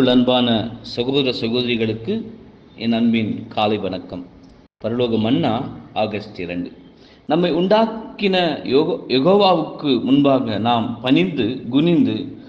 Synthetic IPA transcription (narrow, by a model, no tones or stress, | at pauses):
ɯɭɐnbaːnɐsɐɣoːðɪɾɐsɐɣoːðɪɾɪɣɐɭɯkːɯ | ɛnːɐnbɪnkʰaːlɐɪʋɐnɐkːɐm | pɐɾɐloːɣɐmɐnːaːʔaːɣɐst̪ɪɾɐɳɖɯ | nɐmːɐɪʊɳɖaːkːɪnɐjɛɣoːʋaːʋɯkːɯmʊnbaːɣɐnaːmpɐnɪnd̪ɯɡʊnɪnd̪ɯ